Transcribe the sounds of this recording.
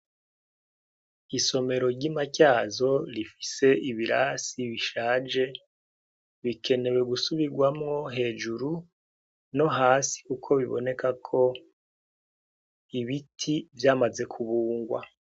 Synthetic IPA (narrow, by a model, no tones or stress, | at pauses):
iso̞me̞ɾo̞ɾɟimacaːzo̞ɾifi̥se̞ʔiβiɾasiβiʃaːd͡ʒe̞ | βikʰe̞ne̞we̞ɡusuβiɡwamŋo̞ɦe̞ːd͡ʒuɾu | no̞ɦaːsi̥kukʰo̞βiβo̞̰ne̞kʰakʰo̞ | iβitʰivjaːmaze̞kʰuβuːŋɡwa̰